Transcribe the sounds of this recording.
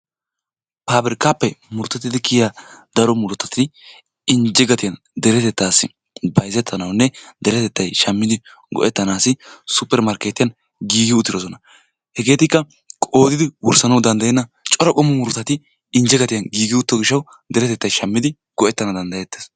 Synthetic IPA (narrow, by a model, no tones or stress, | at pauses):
paːbɪɾɪkaːpːɛmʊɾt̪ːɐt̪ːɪd̪ɪkʰɪjaːd̪̥ɐɾɔmʊɾʊt̪ːɐt̪ɪ | ɪnd͡ʒɛɡɐt̪ɪjɐn | d̪ɛɾɛt̪ɛt̪ːaːsːɪ | bɐjzɛt̪ʰːɐnɐwnːɛd̪ɛɾɛt̪ɛt̪ːɐjʃɐmːɪd̪ɪ | ɡɔ̰ʔɛt̪ːɐnaːsɪsʊpːɛɾmɐɾkeːt̪ːɪjɐn | ɡiːɡɪʊt̪ːɪdɔsɔnɐ | hɛɡe̞ːt̪ɪkːɐ | kʼoːd̪ɪd̪ɪwʊɾsɐnɐwd̪ɐnd̪ɐjɛnːɐ | t͡ʃʼɔɾɔkʼɔmːɔmʊɾʊt̪ːɐt̪ɪ | ɪnd͡ʒɛɡɐt̪ɪjɐnɡiːɡɪʊt̪ːɔɡɪʃːɐw | d̪ɛɾɛt̪ɛt̪ːɐjʃɐmːɪd̪ɪ | ɡ̥ɔʔɛt̪ːɐnɐd̪ɐnd̪ɐjɛt̪ːeːs